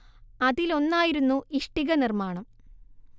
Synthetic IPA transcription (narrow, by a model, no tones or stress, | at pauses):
ɐðilo̞nːaːjiɾunːuʔiʂʈiɣɐnirmaːɳɐm